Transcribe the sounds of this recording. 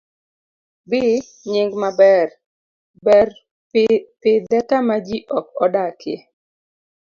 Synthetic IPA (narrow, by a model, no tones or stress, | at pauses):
bɪ | ɲɪŋɡmabɛr | bɛr | pɪd̪ɛkamad͡ʒiʔɔk̚ɔdakɪ̰